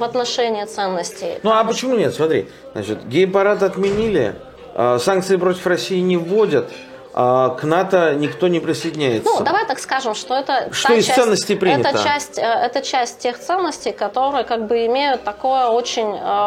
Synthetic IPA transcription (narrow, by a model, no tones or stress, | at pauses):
vɐt̪nɐʂɛnʲɪːt̪sɛnːəsʲtʲɪjnuɐpət͡ɕɪmunʲet̪smɐt̪ɾʲḭ | zna̰t͡ɕɪt̪ɡʲɪəpɐɾat̪ɐt̪mʲɪnʲilʲɪ̰ | əsank̚t̪sɨɪpɾo̞tʲɪfrɐsʲːijɪnʲɪvodʲət̪ | aknat̪ənʲɪkt̪o̞nʲɪpɾʲɪsəjdʲɪnʲæjɪt̪nuəd̪ɐvajt̪akskaʐɨmʂt̪o̞ɛt̪əʂt̪oɪssɛnːəsʲtʲɪjpɾʲinɛɪt̪ət͡ɕəæsʲtʲəɛt̪ət͡ɕæsʲt̚ʲtʲe̞xt̪sɛnːəsʲtʲɪjkɐt̪o̞ɾɨjəkaɡ̚bɨɪmʲejʊt̪ːɐko̞jəot͡ɕɪnʲə